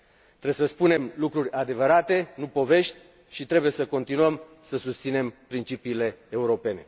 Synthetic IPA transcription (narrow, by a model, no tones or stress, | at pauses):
tt̪ɾeesəspune̞mlukɾurʲad̪e̞vəɾat̪e̞nupo̞ve̞ʃt̪ʲ | ʃit̪ɾe̞buje̞səko̞nt̪inuəm | səsust̪sine̞mpɾint͡ʃipiːle̞ːuɾo̞pe̞ne̞̰